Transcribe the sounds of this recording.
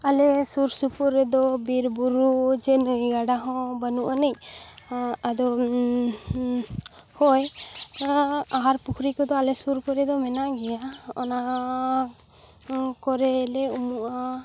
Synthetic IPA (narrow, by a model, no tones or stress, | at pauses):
alɛsuɾsupuɾɛd̪ɔbiɾbuɾud͡ʒɛnəɡaɖaɦɔ̃banuʔanɛc | ad̪ɔ | hɔj | aɦaɾpukʰɾikɔd̪ɔalɛsuɾkɔɾɛd̪ɔmɛnaʔɡɛjaɔna | kɔɾɛlɛumuʔa